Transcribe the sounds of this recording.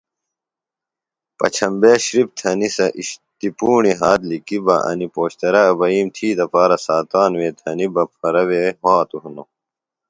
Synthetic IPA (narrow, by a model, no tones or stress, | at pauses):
pɐ̰t͡ɕʰɐmbeːɕɾib̚t̪ʰɐnisɐʔiɕt̪ipuːɳiɦaːt̪likibɐ̰ʔɐ̰nipoːɕt̪ɐɾɐːbɐiːmt̪ʰiːd̪ɐpaːɾɐsaːt̪aːnweːt̪ʰɐnibɐpʰɐɾɐweːɦaːt̪uɦuno